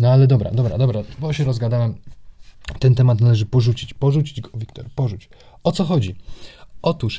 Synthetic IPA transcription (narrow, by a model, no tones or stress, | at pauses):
nɔalɛd̪ɔbɾa̰d̪ɔbɾa̰d̪ɔbɾabɔɕɛɾɔzɡad̪awɛm | t̪ɛnt̪ɛmat̪nalɛʐɘpɔʐut͡ɕit͡ɕpɔʐut͡ɕid͡ʑɡɔ̥vʲikt̪ɔ̰ɾpɔʐut͡ɕɔt̪sɔxɔd͡ʑiʔɔt̪uʂ